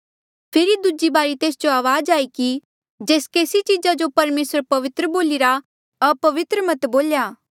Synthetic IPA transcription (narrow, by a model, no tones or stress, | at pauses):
pʰɪɾid̪ud͡ʒibaːɾit̪eːsd͡ʒoaːʋaːd͡ʒaːiki | d͡ʒeːskeːsit͡ʃiːd͡ʒad͡ʒopɐɾmeːsɾpɐʋɪt̪ɾəboːliɾa | ɐpɐʋɪt̪ɾəmɐt̪boːljaː